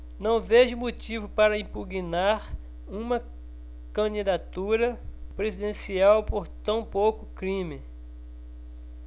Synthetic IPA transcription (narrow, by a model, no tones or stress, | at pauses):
nɐ̃w̃veʒʊmot͡ʃivʊpaɾɐĩpuɡinaɾ | ũmɐ | kɐ̃d͡ʒid̪at̪uɾɐpɾezid̪ẽsiawpoɾt̪ɐ̃w̃powkʊkɾĩmɪ